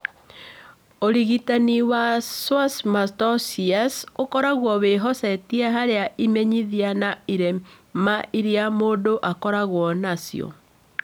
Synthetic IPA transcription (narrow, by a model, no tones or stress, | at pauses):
oɾiɣitaniwaswasmatɔsiasokɔɾaɣwɔβeɦɔsɛtiɛɦaɾeaʔimɛɲiðianaiɾemaʔiɾiamoːdoʔakɔɾaɣwɔnasj̰ɔ̰